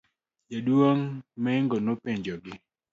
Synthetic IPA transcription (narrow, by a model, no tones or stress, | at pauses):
d͡ʒadwoŋmɛŋɡonopeɲd͡ʒɔɡɪ